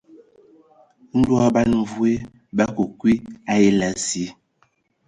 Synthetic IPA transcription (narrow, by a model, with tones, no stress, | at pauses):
n̩˦dwɔ˦ba˦nɱ˨vu˦e˦ | ba˦ko˨kwi˦a˦i˦la˨zi˨˦